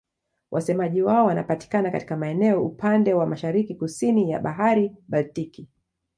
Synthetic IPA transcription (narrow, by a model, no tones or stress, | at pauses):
wʔa̰sɛmaʄiwaɔwanapati̥kanaka̰ti̥kamaɛnɛɔṵpandɛwamaʃaɾikikusinija̰ɓaɦaɾiɓaltiki